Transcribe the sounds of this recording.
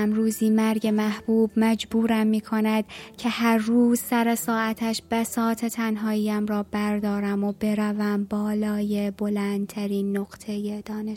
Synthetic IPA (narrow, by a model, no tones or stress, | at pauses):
mɾuːziːmæɾɟemæhb̥uːbmæd͡ʒbuːɾæmːiːkʰo̞næd̪̥̚cʰe̞hæɾːuːzsæɾe̞sɒːæt̪ʰæʃb̥æsɒːt̪ʰe̞t̪ʰænɦɒːiːjæmɾɒːbæɾd̪ɒːɾæmobe̞ɾævæmbɒːlɒːje̞bo̞lænd̪̚t̪ʰæɾiːnːoɡ̥t̪ʰe̞jed̪̥ɒːne